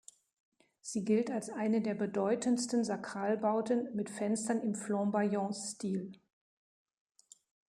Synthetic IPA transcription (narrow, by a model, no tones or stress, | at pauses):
z̥iːɡɪltalsʔaɪnədeːɐbədɔʏtʰənstən̩zakʁ̥aːlbaʊtənmɪtfɛnstɐnɪmflɑ̃bajɔ̃stiːl